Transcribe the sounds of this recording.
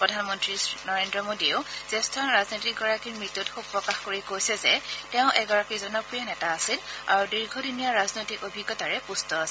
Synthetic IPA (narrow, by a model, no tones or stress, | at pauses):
pɹɔdʱanmɔntɹisnɔɹendɹɔmodioʊz̥ɛstʰanɹaznojtik̚ɡɔɹakiɹmɹitutxub̚pɹɔkaxkoɹikojsɛzɛtɛʊ̃ʔɛɡɔɹakizɔnɔk̚pɹijanɛtaːsila̰ɹudiɹɡʱɔdinijaɹaznojtikobʱiɡːɔtaɹɛpustɔasɛ